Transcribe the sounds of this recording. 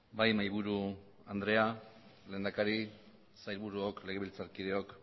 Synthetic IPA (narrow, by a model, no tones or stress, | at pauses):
bajmajβuɾu | and̪ɾe̞ale̞ːnd̪akaɾi | sajlβuɾuokle̞ɣ̞e̞βilt͡saɾkiðe̞o̞k